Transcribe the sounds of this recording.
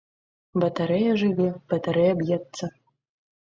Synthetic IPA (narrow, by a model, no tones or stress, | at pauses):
bɐt̪ɐɾɛjɐʐɨvʲeb̥ɐt̪ɐɾɛjɐbjɛt̪sɐ